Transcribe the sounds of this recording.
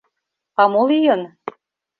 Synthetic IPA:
ɑmolijɤn

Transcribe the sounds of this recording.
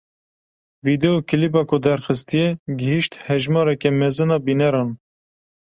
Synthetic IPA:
vid̪ɛokʰilibɑːkʰʊd̪ɛɾxɨst̪ijɛɡɪhiʃt̪hɛʒmɑːɾɛkɛmɛzɨnɑːbiːnɛɾɑːn

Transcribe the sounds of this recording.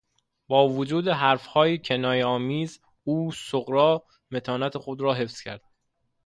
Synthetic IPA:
bɒːvod͡ʒuːd̪eɦæɾfhɒːjecʰenɒːjeɒːmiːz | uːsoɣɾɒː | me̞t̪ʰɒːnæt̪ʰexod̪ɾɒːɦe̞fz̥cʰæ̰ɾd̪̥̚

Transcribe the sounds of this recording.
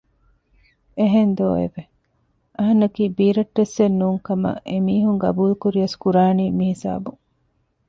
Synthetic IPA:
eɦend̪oːḛʋe | ʔɐɦɐnːɐkiːbiːɾɐʈːesːenːuːŋkɐmɐ̰ʔemiːɦuŋɡɐ̰buːlukuɾiɐskuɾaːniːmihisa̰ːbuŋ

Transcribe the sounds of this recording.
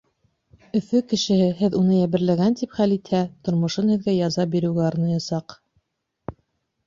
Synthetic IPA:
ɵ̆θɵkɘ̆ʃɘ̆hɘɦɘðunɤjæβɘ̆ɾlæɡænt̪ipχælit̪hæt̪ŏɾmŏʃɤnhɘ̆ðɡæjɑzɑp̚biɾɘ̆wɡæɑɾnɑjɑsɑq

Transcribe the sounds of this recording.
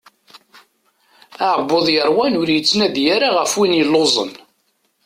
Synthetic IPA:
aʕbːoðˤjəɾˤwænʊɾjət͡sːnæðjaɾaʁəfwinjəlːozˤə̰n

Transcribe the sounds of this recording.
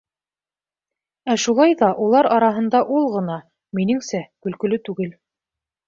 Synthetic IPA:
æʃulˠɑjðɑʔulˠɑɾɑɾɑɦɤ̆nd̪ɑʔulˠʁɤ̆nɑ | minɘ̆ŋsækɵ̆lkɵ̆lɵt̪ʉɡɘl

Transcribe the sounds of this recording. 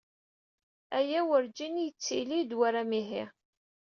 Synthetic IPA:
æjæwəɾd͡ʒinjət͡sːilid̪waɾamiɦi

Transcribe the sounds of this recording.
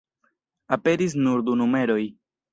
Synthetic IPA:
ape̞ɾis̬nuɾd̪unume̞ɾo̞j

